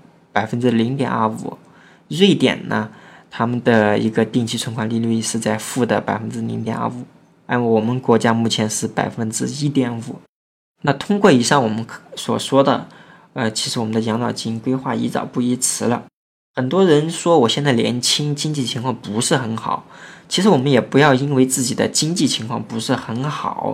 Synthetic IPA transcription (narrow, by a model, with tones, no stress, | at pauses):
pa˨˩ɪfə˥nʈ͡ʂɻ̩˥li˧˥ŋt̪jɛ̰˨˩na̰˥˩ṵ˨˩ | ɻwe˥˩ɪt̪jɛ̰˨˩nnʔə˦t̪ʰa˥mə˨nd̪ə˩ḭ˧˥ɡə˧t̪i˥˧ŋt͡ɕʰi˥t͡sʰə˧˥nkʰwa˧˩nli˥˧ly˥˧˥ʂɻ̩˥˧t͡sa˥˧ɪfu˥˩d̪ə˩pa˨˩ɪfə˥nʈ͡ʂɻ̩˥lḭ˧˥ŋt̪jɛ̰˨˩na̰˥˩u˨˩˦ | a˥nwwɔ˨˩mə˦nkwɔ˧˥t͡ɕja˥mu˥˩t͡ɕʰjɛ˧˥nʂɻ̩˥˩pa̰˨˩ɪfə˥nʈ͡ʂɻ̩˥i˥t̪jɛ˧˩nṵ˨˩˦ | na˥˧t̪ʰʊ˥ŋkwɔ˥˩i˨˩ʂɑ˥˩ŋwɔ˨˩mə˦nswɔ̰˨˩ʂwɔ˥d̪ə̰˨ | ə˧t͡ɕʰi˧˥ʂɻ̩˧˥wɔ˨˩mə˦nd̪ə˧˩jɑ˧˥ŋnɑ˨˩ʊt͡ɕi˥ŋkwe˥ɪxwa˥˩ḭ˧˥t͡sɑ̰˨˩ʊpu˥˩i˥t͡sʰɻ̩˧˥lə̰˧ | xə˨˩nt̪wɔ˥ɻə˧˥nʂwɔ˥wɔ˨˩ɕjɛ˥˧nt͡sa˥˩ɪljɛ̰˧˥nt͡ɕʰi˥ŋt͡ɕi˥ŋt͡ɕi˥˩t͡ɕʰi˧˥ŋkʰwɑ˥˩ŋpu˧˥ʂɻ̩˥˩xə˧˥nxɑ̰˨˩˦ʊt͡ɕʰi˧˥ʂɻ̩˧˥wɔ˨˩mə˦njɛ˨˩pu˧˥jɑ˥˩ʊi˥nwe˥˧ɪt͡sɹ̩˥˩t͡ɕi˨˩d̪ə̰˦t͡ɕi˥ŋt͡ɕi˥˩t͡ɕʰi˧˥ŋkʰwɑ˥˩ŋpu˧˥ʂɻ̩˥˩xə˧˥nxɑ̰˨˩˦ʊ